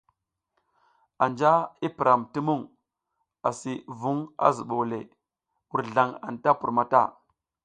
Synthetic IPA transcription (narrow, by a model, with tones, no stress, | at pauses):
a˨nd͡ʒa˦i˦pi˨ɾa˨mti˦mu˦˨ŋ | a˨si˨vu˦ŋa̰˦zu˨ɓo˨wle˨ | wu˨ɾɮa˨ŋa̰˨nta˦pu˨ɾma˦ta̰˦˨